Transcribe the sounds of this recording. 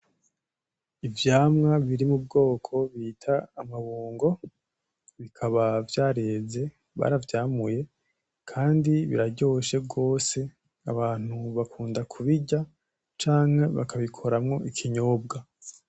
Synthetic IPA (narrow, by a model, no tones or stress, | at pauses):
ivjaːmŋaβiɾimubɡo̞ːkʰo̞βitʰaːmaβuːŋɡo̞ | βikʰaβavjaːɾe̞ːze̞ | βa̰ːɾavjaːmuje̞ | kʰaːndiβḭɾaɟo̞ːʃe̞bɡo̞ːse̞ | a̰βaːn̥huβakʰuːndakʰuβiɟa | t͡ʃaːŋ̥he̞βa̰kʰaβikʰo̞ɾamŋo̞ʔikʰiɲo̞ːb̚ɡa